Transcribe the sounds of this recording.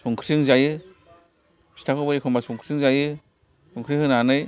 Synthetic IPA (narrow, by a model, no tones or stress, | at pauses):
sɔŋkʰsiŋzajɯ | si̥tʰakʰɔbaikʰɔmbasɔŋkʰsiŋzajɯ | sɔŋkʰɾihɯnanɯj